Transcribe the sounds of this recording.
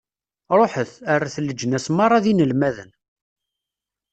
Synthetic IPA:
ɾˤoħəθarːaθəlːəd͡ʒːənæsmɑɾˤɑðinəlmæðən

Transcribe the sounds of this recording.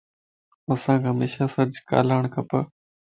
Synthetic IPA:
əsãːkɦəmeːʃaːsəɾd͡ʒka̰ːlaːɳ̃kʰəpə

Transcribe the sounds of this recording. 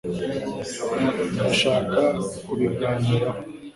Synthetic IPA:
daʃaːkakuβibɡaːniɾa

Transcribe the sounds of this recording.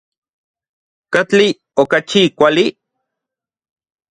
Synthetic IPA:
kat͡ɬi | okat͡ʃikʷali

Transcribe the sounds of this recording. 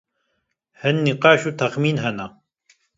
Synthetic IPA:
hənːiqɑːʃut̪axmiːnɦana

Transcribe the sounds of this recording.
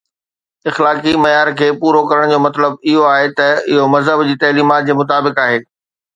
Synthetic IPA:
ɪxlaːkimɐjaːɾkʰeːpuːɾokɐɾəɽ̃d͡ʑoːmɐt̪ləbɪɦoaːɦet̪ɐɪɦomɐzɦəbd͡ʑiːt̪ɐːliːmaːt̪̚d͡ʑeːmʊt̪̬aːbɪkaːɦeː

